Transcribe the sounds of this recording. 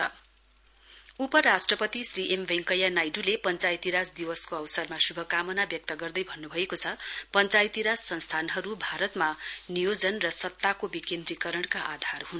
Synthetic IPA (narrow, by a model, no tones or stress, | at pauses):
ʌ | upʌɾasʈrʌpʌt̪isriʔembʱeŋkʌjanajɖulepʌnt͡sajt̪iɾasd̪iwʌskoʌwsʌrmasubʱʌkamʌnabjʌk̚t̪ʌɡʌrd̪ʌjbʱʌnːubʱʌekot͡sʰʌpʌnt͡sajt̪iɾassʌnst̪ʰanɦʌɾubʱaɾʌt̪manijod͡zʌnrʌsʌt̪ːakobikend̪rikʌɾʌɳkaʔad̪ʱarɦun